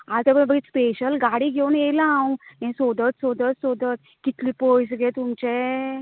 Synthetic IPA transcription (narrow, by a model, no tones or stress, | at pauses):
aɾt̪ebəbəɡit̪speɕəlɡaɽiːɡʱeunjelaãwnɛ̃sod̪ət̪sod̪ət̪sod̪ət̪̚ | kit̪liːpojs̬ɡʱet̪umt͡ɕe